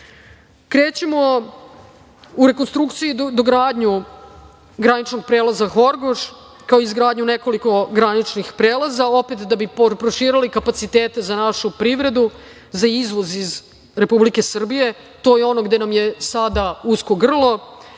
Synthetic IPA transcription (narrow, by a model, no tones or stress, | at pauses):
kɾe̞ːt͡ɕemo̞ | uɾe̞konst̪ɾukt̪sijud̪oɡɾaːd̪ɲu | ɡɾanit͡ʃno̞ɡ̚pɾelˠazaxo̞ɾɡoʃ | kaoizɡɾaːd̪ɲune̞ko̞liko̞ɡɾanit͡ʃnixpɾeːlazao̞pet̪d̪abippɾoʃiːɾalikapat̪sit̪eːt̪e̞zanaʃupɾiʋɾe̞d̪u | zaizʋo̞ziz | ɾe̞publike̞sr̩bije̞ | t̪o̞ːjeo̞no̞ɡd̪e̞namje̞sad̪ausko̞ɡr̩lˠo̞